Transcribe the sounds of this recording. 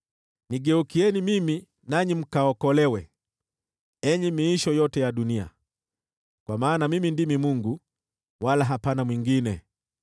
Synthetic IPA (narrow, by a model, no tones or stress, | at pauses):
niɡɛukiɛnimimi | naɲim̩kaɔkɔlɛwɛ | ɛɲimiːʃɔjɔtɛjaɗunia̰ | kwamaːnamimindimimuŋɡu | walaɦapanamwiŋɡinɛ